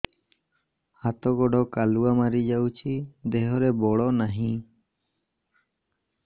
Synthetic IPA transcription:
hat̪ɔɡɔɖɔkaluamaɾid͡ʒawt͡ʃʰid̪ɛɦɔɾɛbɔɽɔnaɦĩ

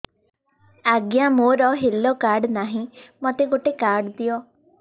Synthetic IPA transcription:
aɡjamoɾɔɦilːokaɾɖnaɦĩmɔt̪eɡoʈekaɾɖd̪ijɔ

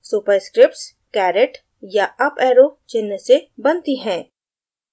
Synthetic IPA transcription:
suːpəɾskɾɪp̚ʈs | kɛːɾɪʈ | jaɐpɛːɾot͡ʃɪnːəsebɐnt̪iɦɛ̃ː

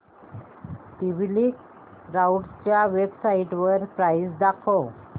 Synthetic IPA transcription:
t̪iʋlik | ɾauʈt͡ɕjaʋebsaiʈʋəɾpɾajsd̪akʰo

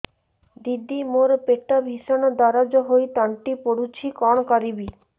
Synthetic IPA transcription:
d̪id̪ːimoɾpeʈːabʱiʃanod̪aɾad͡ʑoɦojt̪aɳʈipoɽut͡ɕʰikɔɳkaɾibi

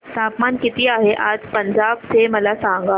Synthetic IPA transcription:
t̪apmankit̪iːaɦeʔad͡zpəɲd͡ʑab̚t͡seməlasãŋɡa

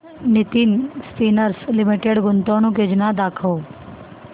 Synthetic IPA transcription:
nit̪insʈiːnəɾslɪmiʈeɽɡʊnt̪oːɽ̃ũked͡ʒnad̪aːkʰoː

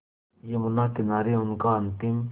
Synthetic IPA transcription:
jemʊnaːkɪnaːɾeʊnkaɐnt̪im

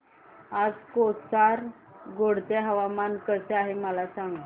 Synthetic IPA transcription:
ad͡zkot͡saɾ | ɡoɽt̪eɦəʋamankəseaɦeməlasãŋɡə

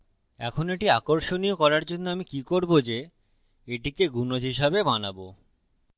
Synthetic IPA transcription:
ɛ̰kʰonoeʈiakoɾʃoniokɔɾaɾd͡ʑonːoamikikoɾbod͡ʑe | eʈikeɡunoɦiʃabebanabo

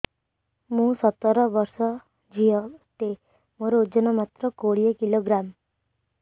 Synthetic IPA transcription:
mũsət̪ːəɾəʋəɾsɔ | d͡ʒijət̪e | moɾod͡ʒənɔmat̪ɾəkoɽijekiloɡɾam

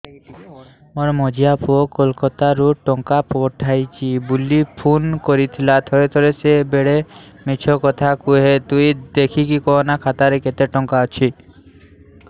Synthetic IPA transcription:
moɾmɔd͡ʒijapʰuokɔlkɔt̪aɾuʈɔŋkapɔʈʰajt͡ʃʰibulipʰunkoɾit̪ʰilat̪ʰɔet̪ʰɔɾesebeɽemit͡ʃʰɔkɔt̪ʰakuɦet̪ujd̪ekʰikikɔnakʰat̪aɾeket̪eʈɔŋkaɔt͡ʃʰi

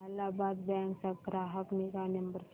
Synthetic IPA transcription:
alabad̪̚bɛŋksaɡɾaɦəkniɡanəmbəɾs

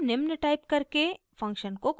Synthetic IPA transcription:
nɪmnəʈaːɪpkɐɾke | fɐ̃ŋkʃənkok

